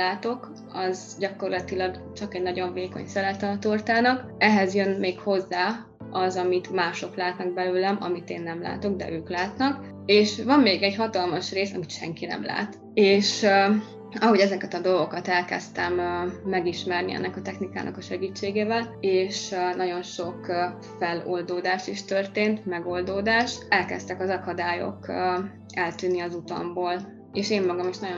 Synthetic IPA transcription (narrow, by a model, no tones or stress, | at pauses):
laːt̪o̞k | ɒz | ɟɒko̞rlɒt̪ilɒɡ | t͡ʃɒkɛɟnɒɟo̞ɱveːko̞̰ɲsɛlɛt̪ɛːt̪ort̪aːnɒk | ɛɦɛzjønmeːkho̞zːaː | ɒzɒmit̪maːʃo̞klaːt̪nɒɡ̚bɛløːlɛmɒ̰mit̪eːnːɛmla̰ːt̪o̞ɡ̚d̪ɛ̰ʔøːklaːt̪nɒk | eːʃʋɒmːeːɡɛɟɦɒt̪ɒlmɒʃreːsɒ̰micʃɛŋkinɛ̰mla̰ːt̪ | eːʃ | ɒɦo̞ɟɛzɛkɛt̪ɒd̪o̞lɡo̞kɒt̪ɛlkɛ̰st̪ɛmːɛɡiʃmɛrniɛ̰nːɛkɒt̪ɛxnika̰ːnʔɒ̰kɒʃɛɡiːt͡ʃːeːɡeːvɛleːʃnɒɟo̞nʃo̞kː | fɛlold̪oːd̪aːʃt̪iʃt̪ørt̪eːnt̪mɛɡo̞ld̪oːd̪aːʃɛlkɛ̰st̪ɛkɒzɒkɒd̪aːjo̞̰kː | ɛlt̪yːnːiɒzut̪ɒ̰mboːl | eːʃeːmːɒɡɒmiʃnɒɟo